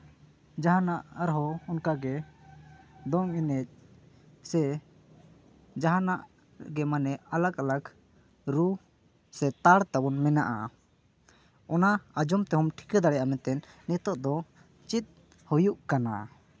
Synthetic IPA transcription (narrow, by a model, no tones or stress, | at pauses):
d͡ʒaɦanaʔaɾɦɔɔnkaɡɛ | d̪ɔŋinɛ | sɛ | d͡ʒaɦanaʔ | ɡɛmanɛalakalak | ɾu | sɛt̪aɽt̪abɔnmɛna̰ʔa̰ | ɔnaad͡ʒɔmt̪ɛɦɔmʈʰi̥kad̪aɽɛjʔamɛt̪ɛnːɛt̪ɔʔd̪ɔ | t͡ʃit̪̚ | hujuʔkana̰